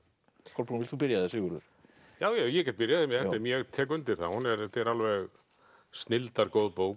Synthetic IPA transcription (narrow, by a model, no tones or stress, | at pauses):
kʰɔlpʰːunvɪlt̪θubɪɾjaðɪsɪɣʏɾʏ̰ɾ̥ | jaːwjawjɛcɛt̪̚pɪɾjaðɪmɛθɛɪɛmjɛɣt̪ʰɛːk̬ʏnt̪ɪɾ̥θa̰hunɛɾt̪ɛɾalvɛɣ | st̪nɪlt̪aɾkoːwðpoːw